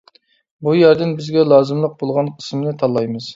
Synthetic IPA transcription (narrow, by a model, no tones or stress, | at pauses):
bujæɾd̪ɪnbɪzɡʲɛlˠɑːzɨmlˠəq̚bolˠʁɑnqʰə̥smɪnɪt̪ʰɑlˠːɑjmɨz̥